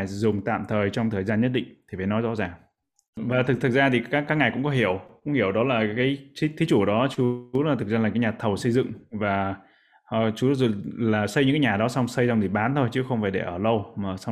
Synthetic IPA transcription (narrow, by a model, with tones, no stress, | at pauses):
jzʊ˨˩ŋ͡mt̪a̰ː˧˨mt̪ʰəː˨˩jt͡ɕɔ˧wŋ͡mt̪ʰəː˨˩jzaː˧nɲə˦˥t̚ɗḭ˧˨ŋ̟t̪ʰi˨˩fə˨˦nɔ˨˦jzɔ̰˧˥zaː˨˩ŋ | vaː˨˩t̪ʰɨ˨˩k̚t̪ʰɨ˨˩k̚zaː˧t̪ʰi˨˩aː˦˥kːaː˦˥k̚ŋa˨˩jkʊ̰˧˥ŋ͡mkɔ˨˦ɦi˧˩əwkʊ̰˧˥ŋ͡mhi˧˩əwɗɔ˨˦laː˨˩kaː˨˦jt͡ɕi˦˥t̪ʰi˨˦t͡ɕu˧˩˨ɗɔ˨˦t͡ɕu˨˦lːt̪ʰɨ˨˩k̚zaː˧laː˨˩ŋkaː˨˦jɲaː˨˩t̪ʰə˨˩wsə˧jzɨ̰˧˨ŋvaː˨˩˨ | t͡ɕu˨˦˥zo˨˩laː˨˩sə˧jɲɨ̰˧˥kːaː˨˦ɲaː˨˩ɗɔ˨˦sa˧wŋ͡msə˧jza˧wŋ͡mt̪ʰi˨˩ɓaː˨˦nt̪ʰo˧jt͡ɕɨ˨˦xə˧wŋ͡mfaː˧˩jɗe˧˩ʔəː˧˩lə˧wmaː˨˩sa˧